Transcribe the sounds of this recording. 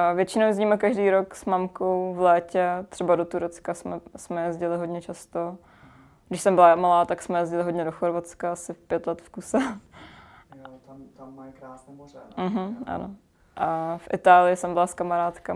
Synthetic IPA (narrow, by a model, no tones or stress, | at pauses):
vjɛt͡ʃɪnowzɲiːmɛkaʒdiːɾoksmamkowvlɛːcɛt̪r̥ɛbadot̪uɾɛt͡skasmɛsmɛjɛzɟɪlɪɦo̞dɲɛt͡ʃast̪o | ɡdɪʃsɛmbɪlamalaːt̪aksmɛjɛzɟɪlɪɦodɲɛdoxoɾvat͡skaasɪpjɛt̪lɛt̪fkusɛ | aɾaːsnɛoɛm̩ɦm̩ʔa̰no | ʔafʔɪt̪aːlɪjɪsɛmbɪlaskamaɾaːt̪ka